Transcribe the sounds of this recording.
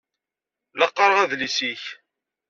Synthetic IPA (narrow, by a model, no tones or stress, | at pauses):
ləqːəɾʁæðlisiç